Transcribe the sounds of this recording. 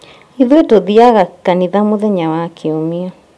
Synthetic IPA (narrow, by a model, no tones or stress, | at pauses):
iðwetoðiaɣakaniðamoðɛɲawakʰeomia